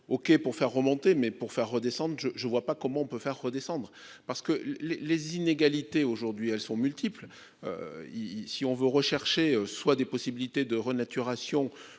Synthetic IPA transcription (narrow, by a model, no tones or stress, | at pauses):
ɔkʲepuʁfɛʁːəmɔ̃t̪emɛpuʁfɛʁːəd̪esɑ̃d̪ʁʒəʒəvwapakɔmɑ̃ɔ̃pøfɛʁːəd̪esɑ̃d̪ʁə | paʁsə̥kəlelezineɡalit̪eoʒuʁd̪ɥiɛlsɔ̃mylt̪ʰipl | ø̰isiɔ̃vøʁəʃɛʁʃeøswad̪epɔsibilit̪ed̪əʁənat̪ʰyʁasjɔ̃